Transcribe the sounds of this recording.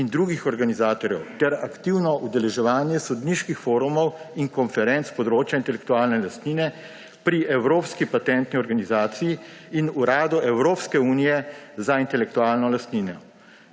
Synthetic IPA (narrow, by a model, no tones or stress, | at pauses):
ind̪ɾuːɡixɔɾɡanizaːt̪ɔɾjɛ̰wt̪ɛɾa̰kt̪iwnɔʔud̪ɛlɛʒɛʋaːnjɛsɔd̪niʃkixfoːɾumɔwiŋkɔnfɛɾɛnt̪spɔd̪ɾoːt͡ʃjaint̪ɛlɛk̚t̪uaːlnɛlast̪niːnɛ | pɾiɛwɾoːpskipat̪ɛnt̪niɔɾɡanizaːt̪sijiːnuɾaːd̪uɛwɾoːpskɛuːnijɛzaint̪ɛlɛk̚t̪uaːlnɔlast̪niːnɔ